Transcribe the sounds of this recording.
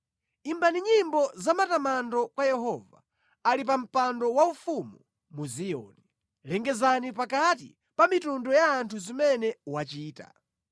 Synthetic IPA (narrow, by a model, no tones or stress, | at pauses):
imbaniɲimbɔzamatamandɔkwajɛɦɔva̰ | alipam̩pandɔwaufumu | muziɔ̰ni | lɛŋɡɛzanipakat̬ḭ | pamitundɔjaːntʰuzimɛnɛwat͡ʃiːta̰